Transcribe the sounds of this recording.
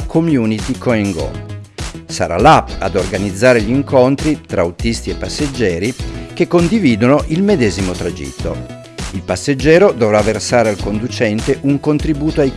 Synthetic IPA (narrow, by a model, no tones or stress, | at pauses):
kʰomjuːnit̪ikoeŋɡo̰ | saɾa̰lapːa̰d̪orɡanid̪zːaːɾeʎiŋkont̪ɾit̪ɾaut̪ist̪iepːasːed͡ʒːɛːɾikekːond̪iviːd̪onoʔilmed̪ɛːzimot̪ɾad͡ʒḭt̪ːo̰ | ilpasːed͡ʒːɛːɾod̪ovɾavːersaːɾealkond̪ut͡ʃɛnt̪eʔuŋkont̪ɾibuːt̪oaj